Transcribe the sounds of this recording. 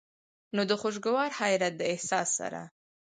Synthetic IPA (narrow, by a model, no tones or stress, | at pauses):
nod̪əxoʃ̬ɡʊwɑɾhajɾat̪̚d̪əɪhsɑsːa̰ɾa̰